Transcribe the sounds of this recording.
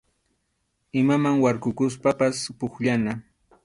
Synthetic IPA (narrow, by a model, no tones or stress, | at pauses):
ɪmamaŋwaɾkʊkʊs̬papaspʊkʎana